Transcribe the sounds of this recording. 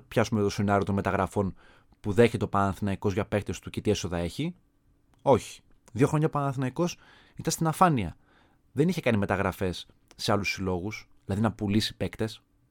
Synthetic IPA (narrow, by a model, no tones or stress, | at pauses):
pçɐsumet̪osenɐɾio̞t̪o̞nme̞t̪ɐɣɾɐfo̞n | puðe̞çe̞t̪eopɐnɐnθinɐiko̞zʝɐpe̞k̚t̪e̞st̪ucet̪ieso̞ðɐe̞çi | o̞çi̥ | ðʝo̞xɾo̞ɲɐpɐnɐnθinɐiko̞s | it̪ɐnst̪inɐfɐniɐ | ðe̞niçe̞kɐnime̞t̪ɐɣɾɐfe̞sː | e̞ɐlusːilo̞ɣusðilɐðinɐpulisi̥pe̞kt̪e̞s